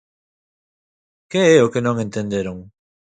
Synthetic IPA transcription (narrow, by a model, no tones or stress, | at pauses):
keɛʊkenõŋẽnt̪ẽnd̪eɾoŋ